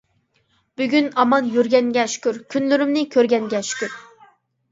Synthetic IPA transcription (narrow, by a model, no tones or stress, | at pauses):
b̥yɡʲynɑmɑnjyɾɡʲɛŋɡʲɛʃy̥kʲyɾkʲʰynlyɾymnɪkʲʰøɾɡʲɛnɡʲɛʃy̥kʲyɾ